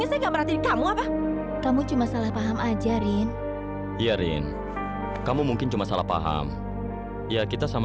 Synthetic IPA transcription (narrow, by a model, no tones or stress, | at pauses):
asajaŋɡaʔbəɾat̪ikamuapa | kamut͡ʃumasalahpaɦamad͡ʒaɾɪn | jaɾɪ̰n | kamumuŋkɪnt͡ʃumasalapa̰ɦa̰m | jakit̪asam